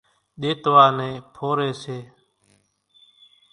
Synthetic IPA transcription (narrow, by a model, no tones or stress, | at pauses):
ɗ̪eːt̪ʋaːnẽːpʰoːɾeːseː